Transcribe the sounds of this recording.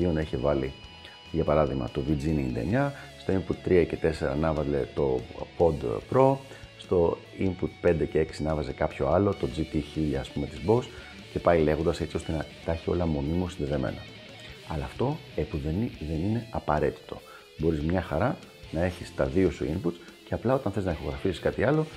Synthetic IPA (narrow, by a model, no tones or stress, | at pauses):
io̞nɐiçevɐli | ʝɐpɐɾɐðiɣmɐ̰t̪o̞vid͡ziniːnd̪ḛɲɐst̪o̞imput̪t̪ːɾiɐce̞t̪e̞se̞ɾɐ̰nɐvɐzle̞̰t̪o̞po̞d̪pɾo̞ | st̪o̞ | imput̪̚pe̞nd̪e̞ce̞e̞ksinɐvɐze̞kɐpço̞ɐlo̞t̪o̞d͡zit̪içiʎɐːspume̞t̪izbo̞s | ce̞pɐile̞ɣo̞nd̪ɐse̞t͡sio̞st̪enɐt̪ɐçio̞̰lɐmo̞mimosinðe̞ðe̞me̞̰no̰ | ɐ̰lɐːft̪o̞epuðenðe̞nine̞ɐpɐɾe̞t̪i̥t̪o̞ | bo̞ɾizmɲɐxɐɾɐ | nɐe̞çist̪ɐðio̞sṵimput̪ce̞ɐplɐo̞t̪ɐnθeznɐixo̞ɣɾɐfisi̥skɐt̪iɐlo̞